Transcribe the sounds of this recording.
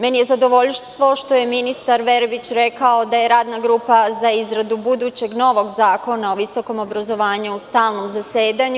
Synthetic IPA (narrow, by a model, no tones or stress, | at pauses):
menije̞zad̪o̞ʋo̞ʎst̪ʋo̞ʃt̪o̞je̞minist̪aɾʋe̞ɾbit͡ɕɾe̞kaod̪aje̞ɾaːd̪naɡɾuːpazaizɾad̪ubud̪uːt͡ɕe̞ɡno̞ːʋo̞ɡzaːko̞nao̞ʋiso̞ko̞mo̞bɾazo̞ʋaːɲuust̪aːlˠno̞mzaseːd̪aɲu